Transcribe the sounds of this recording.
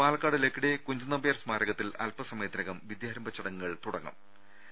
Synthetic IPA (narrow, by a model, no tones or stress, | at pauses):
paːlɐkːaːɽilekːiɽekuɲd͡ʑunːɐbɐjɐrsmaːɾɐɣɐt̪ːilɐ̰lpɐsɐmɐːd̪nɐɣɐmʋid̪jaːɾɐmbɐt͡ɕːɐɽɐŋːuɣɐɭt̪uɽɐŋːɐ̰m